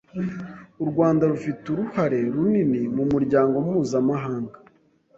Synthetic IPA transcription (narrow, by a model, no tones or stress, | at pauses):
uɾɡwaːndaɾufituɾuhaɾe̞ɾuninimumuɾɟaːŋɡomumuːzamaɦaːŋɡa